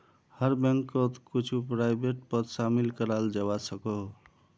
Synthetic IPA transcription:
həɾbeŋkːət̪kut͡ʃʰupɾajbeʈ̚pət̪samilkəɾald͡ʒewasəko

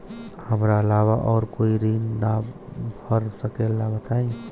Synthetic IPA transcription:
həmɾaəlaʋaʔɔːɾkoiɾinnabbʱəɾsəkelːabət̪ai

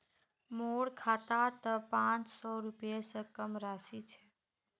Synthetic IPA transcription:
moɽkʰat̪at̪əpãt͡ʃsɔɾupjesə̃kəmɾasit͡ʃʰɛ

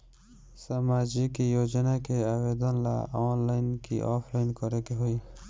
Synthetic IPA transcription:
sɐmaːd͡ʒikijod͡ʒnakeawed̪ɔnla̰ɔːnlainkḭʔɔːpʰlainkɔɾekeɦoi

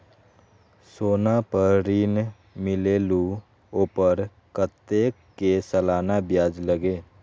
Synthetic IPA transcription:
soːnapəɾɾiːn | mɪleːlu | oːpəɾ | kət̪ːekesəlaːnabjaːd͡ʒləɡeː

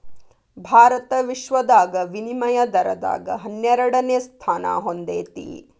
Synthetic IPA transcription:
bʱaːɾɐt̪ɐʋiʃʋɐd̪aːɡɐʋinimɐjɐd̪ɐɾɐd̪a̰ːɡɐɦɐnjɐɾɐɽɐnjest̪ʰaːna̰ːɦond̪ḛːt̪ḭ

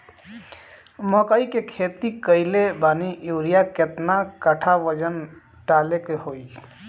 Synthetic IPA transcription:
məkəikekʰet̪ikəɪlebanijuɾijaket̪nakəʈʰaʋəd͡ʒən | ʈalekehoi

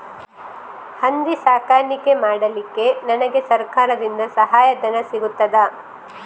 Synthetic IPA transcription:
hɐnd̪isaːkaːɾnike̞maːɽɐlikːe̞nɐnɐɡe̞sɐɾkaːɾɐd̪ind̪ɐsɐɦaːjɐd̪ɐnɐsiɡut̪ːɐd̪ɐ

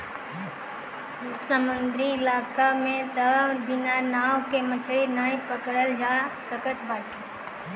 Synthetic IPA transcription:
səmənd̪ʱɾilaːkamẽt̪əbinanaːwkemət͡ʃʰɭinaːĩpəkɽəld͡ʒasəkəʈbaːti

